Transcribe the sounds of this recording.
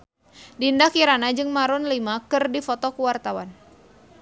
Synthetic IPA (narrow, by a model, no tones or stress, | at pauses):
dindakiɾanad͡ʒɨŋmaɾɔnlimakɨrdifɔt̪ɔkuwart̪awan